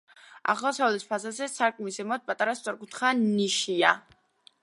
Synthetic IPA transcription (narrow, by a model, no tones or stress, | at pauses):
a̰χlˠasaɔlɛspʰazazɛsaɾkʼmisɛmɔt̪̚pʼat̪ʼaɾast̪sʼɔɾkʰʼut̪χaniʃia